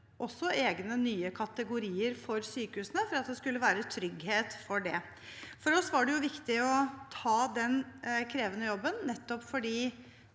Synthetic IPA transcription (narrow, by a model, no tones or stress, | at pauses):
ʔɔsːɔeːɡnənyːəkʰɑt̪əɡʊɾiːəɾfɔɾsyːkəhʉːsənəfɔɾɑt̪̚d̪ɛskʉlːəʋæːɾət̪ʰɾʏɡheːt̪fɔɖɛ | fɔɾɔsʋɑɖɛjʊʋɪkt̪ɪɔt̪ʰɑːd̪ɛnkʰɾeːʋənəjɔbːənnɛt̪ːɔpfɔɖiː